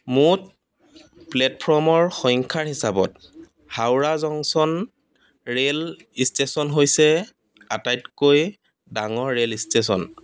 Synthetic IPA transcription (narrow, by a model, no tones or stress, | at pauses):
mut̚ | plɛtpʰɔmɔɹxɔŋkʰaɹhisabɔt̚ | hawɹazɔŋsɔn | ɹel | istesɔnɦojsɛ | atajtkoj | daŋɔɹːelistes̬ɔ̰n